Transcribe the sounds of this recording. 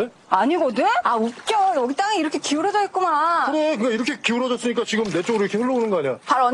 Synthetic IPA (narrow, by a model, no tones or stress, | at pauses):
e | aɲiɡodɯnaup̚k͈jʌjʌɡit͈aŋeiɾʌkʰe̞kiuɾʌd͡ʑʌit̚k͈umaɯɾekɯŋɡaiɾʌkʰe̞kiuɾʌd͡ʑʌs͈ɯɲik͈at͡ɕiɡɯmne̞t͡ɕ͈oɡɯɾoiɾokʰeɸɯɭːʌonɯnɡʌaɲiapaɾʌn